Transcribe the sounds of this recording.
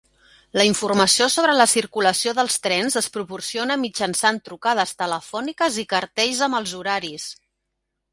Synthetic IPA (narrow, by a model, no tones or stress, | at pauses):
ləiɱfurməsiosoβɾələsiɾkuləsioðəlˠst̪ɾɛnzəspɾupursionəmid͡ʒənsant̪ɾukað̞əst̪ələfɔnikəzikəɾt̪ɛʎzəməlˠzuɾaɾis